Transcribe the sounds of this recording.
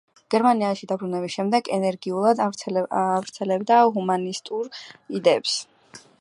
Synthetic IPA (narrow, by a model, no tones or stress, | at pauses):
ɡ̥ɛɾmaniaʃid̪abɾunɛbisʃɛmd̪ɛɡɛnɛɾɡiulˠad̪ | vɾt̪sʰɛlɛbd̪aɦumanist̪ʼuɾid̪ɛːps